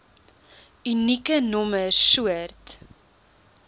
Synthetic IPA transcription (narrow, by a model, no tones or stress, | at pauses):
ynikənɔməsuərt